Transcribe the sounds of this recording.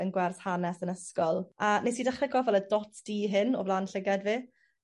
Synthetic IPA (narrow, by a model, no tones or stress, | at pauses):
ənɡwɛrθhanɛsənəskɔlˠanejsidaχrɛɡɔvɛlˠədɔtʰd̥iːɦɪnɔ̰vlˠaːnɬɪɡadviː